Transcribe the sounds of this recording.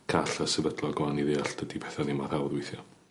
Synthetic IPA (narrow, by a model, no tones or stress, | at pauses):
kʰaɬasɛvədlˠɔɡlˠaniðɪːaɬd̥ədipʰɛθanɪmaɾawðwɪjθjɔ